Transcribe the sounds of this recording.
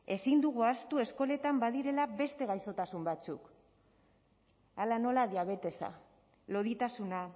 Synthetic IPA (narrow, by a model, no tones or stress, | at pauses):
e̞sind̪uɣ̞uast̪ue̞sko̞le̞t̪ambað̞iɾe̞labe̞st̪e̞ɣ̞ajso̞t̪asumbat͡sṵk | alano̞laðiaβ̞e̞t̪e̞sa̰ | lo̞ðit̪asuna